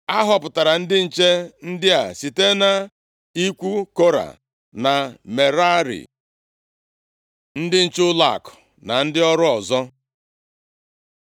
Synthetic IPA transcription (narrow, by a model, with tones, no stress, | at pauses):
a˦ɦɔ˨pʊ˨ta˨ɾa˨n̩˦dɪ˦n̩˨t͡ʃe˦n̩˦dɪ˦a˨si˨te˦na˨ | i˦kʷu˦ko˦ɾa̰˨ | na˨me˨ɾa˦ɾḭ˨ | n̩˦dɪ˦n̩˨t͡ʃʊ˦la̰˨kʊ̥˨ | na˨n̩˦dɪ˦ɔ˦ɾʊ˦ɔ˨zɔ˦